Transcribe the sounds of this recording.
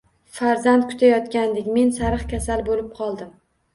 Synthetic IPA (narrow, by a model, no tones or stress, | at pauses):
faɾzand̪̚kʰʊ̥t̪ʰajɒt̪kʲand̪ekʲme̞nsaɾɨχkʲʰasalbolɪp̚qʰɒlˠd̪ɪm